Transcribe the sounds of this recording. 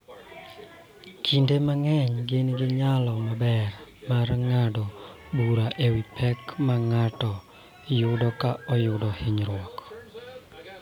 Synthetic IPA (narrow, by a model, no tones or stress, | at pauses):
kʰindemaŋɛɲɡɪnɡɪɲalɔmabɛrmarŋadɔ | buɾaʔewipʰɛkmaŋatɔ | jʊdɔkaɔjʊdɔhɪɲɾwɔk